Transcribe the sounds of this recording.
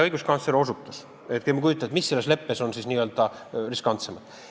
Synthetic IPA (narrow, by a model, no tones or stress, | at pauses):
ɤjɡ̥uskɑnsleɾo̞sut̪ːˑɑs | et̪kemukujut̪ːˑɑet̪misːelːesle̞pːeso̞nsisniːøːld̪̥ɑriskɑnt̪se̞mɑd̪̥